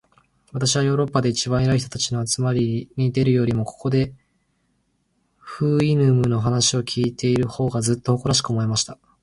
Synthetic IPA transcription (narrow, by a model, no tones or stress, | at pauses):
βat̪aɕiβajo̞ːɾo̞pːad̪e̞it͡ɕibãɰ̃eɾaiçit̪ot̪at͡ɕino̞at͡sɨmaɾʲiɲ̟id̪e̞ɾɯ̟jo̞ːɾʲimo̞ko̞ko̞d̪e̞ | ɸɯ̟ːinɯmɯ̟no̞ɦanaɕio̞kʲʰiːt̪e̞iɾɯ̟ho̞ːɡazɨt̪ːooko̞ɾaɕ̬i̥kɯomo̞e̞maɕi̥t̪a